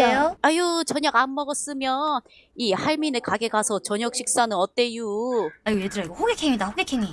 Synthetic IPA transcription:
ejoajot͡ɕʌɲʌɡamːʌɡʌs͈ɯmjʌn | ihaɭminekaɡe̞kasʰʌt͡ɕʌɲʌk̚ɕ͈ʰik̚s͈anɯnʌt͈e̞ijuaiɡojedɯɾaɡoɸoɡekʰeŋimidaɸoɡekʰeŋi

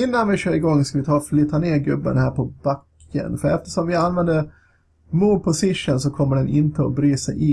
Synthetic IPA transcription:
ɪnːanvɪɕøːɾɪɡɔŋːskavɪt̪ʰɑːflɪt̪ːaneːɾɡɵbːə̰nhæːɾpʰɔbakːə̰nfœɾɛft̪ə̥ʂɔmvɪanvɛnd̪ə | muːd̪̚pʰɔsɪʂənsɔkʰɔmːəɖɛnɪnt̪əɔ̰bɾyːsɛjʔɪ

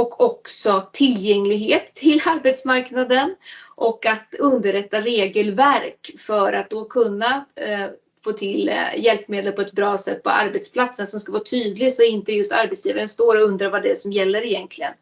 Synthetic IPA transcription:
ɔkʰɔksɔt̪ʰɪljɛŋːlɪɡɦeːt̪ʰːɪlːaɾbɛt̪smaɾknad̪ənʔɔkːat̪ɵnd̪əɾɛt̪ːaɾeːɡəlvæɾkfœɾat̪̚d̪ɔkʰɵnːa | foːt̪ʰɪljɛlpːmeːd̪əlpʰɔɛt̪̚bɾɑːsɛt̪̚ːpʰɔ̰ʔa̰ɾbɛt̪spʰlat̪sənsɔmskavɑːt̪ʰyːd̪lɪɡsɔɛɪnt̪əjɵst̪a̰ɾbɛt̪sjiːvaɾənst̪oːɾɔɵnd̪ɾaɾvad̪ɛsɔmjɛlːəɾɪjɛnt̪ʰlɪɡən

